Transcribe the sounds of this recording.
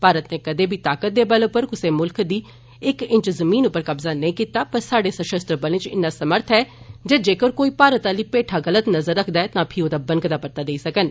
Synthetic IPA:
paːɾət̪neːkəd̪eːbʱiːt̪aːkət̪̚d̪eːbəloːpəɾkʊseːmʊlkd̪iː | ɪkɪ̃ɲt͡ʃzəmiːnʊpːəɾkəbzaːnəĩːkiːt̪aːpəɾsaːɖeːsəʃəst̪ɾəbəlẽt͡ʃɪ̰nːaːsəməɾt̪ʰɦɛː | d͡ʒeːd͡ʒeːkəɾkoːiːpaːɾət̪aːliːpeːʈʰaːɣələt̪nəzəɾːəkʰd̪aːɛːt̪ãːpʰɪoːd̪aːbənɡt̪aːpəɾt̪aːd̪eiːsəkən

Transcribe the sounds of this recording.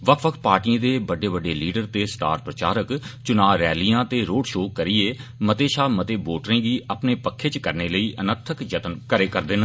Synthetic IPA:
ʋəkʰʋəkʰt̪̚paːɾʈiə̃ːd̪eːbəɖeːbəɖːeːliːɖəɾt̪eːsʈa̰ːɾpɾət͡ʃaːɾəkt͡ʃʊnaːʋɾɛːlijãːt̪eːɾoːɖʃoːkəɾieːmət̪eːʃaːmət̪eːboːʈɾẽːɡiːʔəpneːpəkʰːeːt͡ʃkəɾneːləiːʔənət̪ʰəkd͡ʒət̪ənkəɾeːkəɾd̪ɪn

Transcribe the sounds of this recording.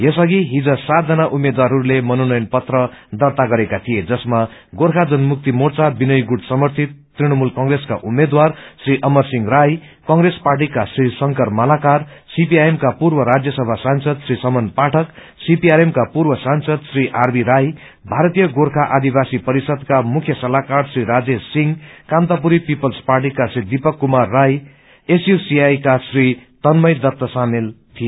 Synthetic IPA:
jesʌɡiɦid͡zʌsat̪̚d͡zʌnaʔumed̪waɾɦʌɾulemʌnonʌjʌnpʌt̪rʌd̪ʌrt̪aɡʌɾekat̪ʰijed͡zʌsmaɡorkʰad͡zʌnmuk̚t̪imort͡sabinʌjɡuɽsʌmʌrt̪ʰit̪ːriɽ̃ʌmulkʌŋɡreska̰ʔumed̪warsriʔʌmʌrsiŋraj | kʌŋresparʈ̬ikasrisʌŋkʌrmʌlakarsipiaemkapurbʌɾad͡zjʌsʌbʱasansʌd̪srisʌmʌnpaʈʰʌk | sipiaɾemkapurbʌsansʌd̪sriʔarbʱiɾaj | bʱaɾʌt̪ijʌɡorkʰaʔad̪ibasipʌɾisʌd̪kamukʰjʌsʌlakarsriɾad͡zesiŋkamt̪apuɾipipʌlsparʈ̬ikasrid̪ipʌkːumarːaj | esjusiajkasrit̪ʌnmʌjd̪ʌp̚t̪ʌsamelt̪ʰije

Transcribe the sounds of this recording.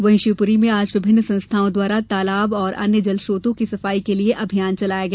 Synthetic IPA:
ʋɐ̃ɦɪ̃ʃipʊɾimẽaːd͡ʒʋɪbʱɪnːsɐ̃nst̪ʰaːõd̪waːɾat̪aːlaːbɔːɾʔɐ̰njəd͡ʒɐlʃɾoːt̪õkisɐfaːikelieʔɐbʱijaːnt͡ʃɐlaːjaɡɐɛ

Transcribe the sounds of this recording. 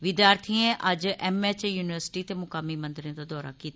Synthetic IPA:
ʋɪd̪jaːɾt̪ʰiẽʔəd͡ʒʔɛːmɛːt͡ʃjuːnɪʋəɾsɪ̥ʈiːt̪eːmʊkaːmimə̃nd̪ɾẽd̪aːd̪ɔːɾa̰ːkiːt̪a

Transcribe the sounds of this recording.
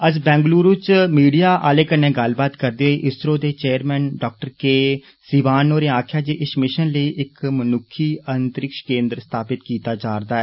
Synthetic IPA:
əd͡ʒbɛ̃ːŋɡluːɾut͡ʃmiːɖijaːʔaːleːkənːẽːɡəlbaːt̪kəɾd̪eːɦoiːʔɪsɾõːd̪eːt͡ʃeːəɾmɛ̃ːnɖɔːk̚ʈəɾkeː | siːʋaːnːoːɾeːaːkʰjaːd͡ʒeːʔɪsmɪʃənləiːʔɪkmənʊkʰːiːənt̪əɾɪkʃkẽːnd̪ɾst̪ʰaːpɪt̪kiːt̪aːd͡ʒaːɾd̪aːɛː

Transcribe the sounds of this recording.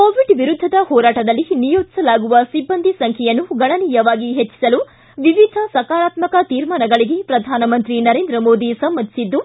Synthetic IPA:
koːʋiɖʋiɾud̪ʱːɐd̪ɐhɔːɾaːʈɐd̪ɐlːinijoːd̪i̥sɐlaːɡuʋɐsibːɐnd̪ʱisɐŋkʰɛjɐnːuɡɐɳɐniːjɐʋaːɡiɦet͡ʃːi̥sɐlu | ʋiʋid̪ʱɐsɐkaːɾaːt̪mɐkɐt̪iːɾmaːnɐɡɐɭiɡe̞pɾɐd̪ʱaːnɐmɐnt̪ɾinɐɾeːnd̪ɾɐmoːd̪isɐmːɐnd̪ʱisid̪ːu

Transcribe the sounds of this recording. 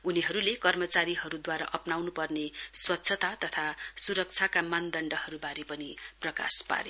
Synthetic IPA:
uniɦʌɾulekʌrmʌt͡saɾiɦʌɾud̪waɾa̰ʔʌpnawnupʌrneswʌtːsʰʌt̪at̪ʌt̪ʰasuɾʌk̚t͡sʰakamand̪ʌɳɖʌɦʌɾubaɾepʌniprʌka̰spa̰ɾe

